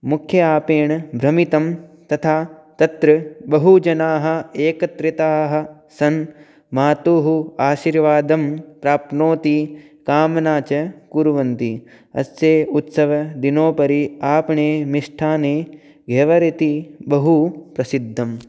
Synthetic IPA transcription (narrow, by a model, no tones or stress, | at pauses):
mukʰjɐaːpeːɳɐbɾɐmit̪ɐmt̪ɐt̪ʰaːt̪ɐt̪ɾɐbɐɦud͡ʒɐnaːɦɐ̆eːkɐt̪ɾit̪aːɦɐ̆ | sɐn | maːt̪uːɦuaːʃiːɾʋaːd̪ɐmpɾaːpnoːt̪ikaːmɐnaːt͡ʃɐkuɾuʋɐnt̪i | ɐ̰seːut̪sɐʋɐd̪inoːpɐɾiaːpɐɳeːmiʂʈʰaːneː | ɡʱeʋɐɾit̪ibɐɦupɾɐsid̪ʱːɐm